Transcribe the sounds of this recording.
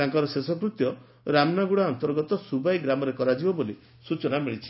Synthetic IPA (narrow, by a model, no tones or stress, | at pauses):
t̪aŋkɔɾɔsesɔkɾut̪jɔ | ɾamnaɡuɽaɔnt̪ɔɾɡɔt̪ɔsubajɡɾamɔɾekɔɾad͡ʒibɔboli | sut͡ʃɔnamiɭit͡ʃʰi̥